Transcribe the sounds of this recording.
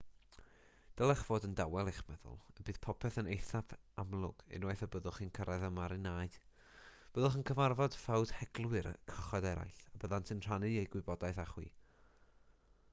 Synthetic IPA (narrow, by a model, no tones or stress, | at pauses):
d̥əlˠɛχv̥oːdəndawɛlˠeχmɛðʊ̰lˠəbɨːð̥pʰɔpʰɛθənejθapʰamlˠʊɡ̥ɪ̰nwajθəbəðʊχinkʰəɾaðəmaɾɪnaːjd̥ | b̥əðʊχənkʰəvarvɔd̥fawd̥hɛɡ̥lˠwɨɾkʰəχɔdɛɾa̰jɬabəðantʰɨnr̥anɨejɡwɨbɔdajθaχwḭː